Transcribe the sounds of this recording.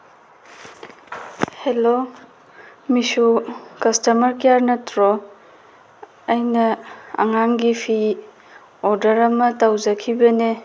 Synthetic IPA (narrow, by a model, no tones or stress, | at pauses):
helo | misukɐstɐmɐɾkijaɾnɐtɾɔ | ɐjnɐɐ̰ŋaŋɡipʰi | oɾdɐɾɐmɐtawzɐkʰibɐne